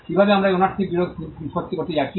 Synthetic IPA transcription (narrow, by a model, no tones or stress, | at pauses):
kibʱabeamɾaeonaɾt̪ʰibiɾod̪̚ʱiot̪ːikoɾt̪ed͡ʑakʰi